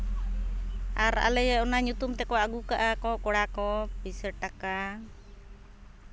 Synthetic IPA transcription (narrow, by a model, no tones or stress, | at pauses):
aɾa̰lɛjaunaɲut̪umt̪ɛkɔaɡukaʔakɔkɔɽakɔpisɛʈaka